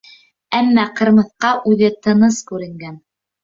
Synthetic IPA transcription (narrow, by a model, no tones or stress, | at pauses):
æmːæqɤ̆ɾmɤ̆θqɑʔʉðɘt̪ɤ̆nɤskʉɾɘ̆ŋɡæn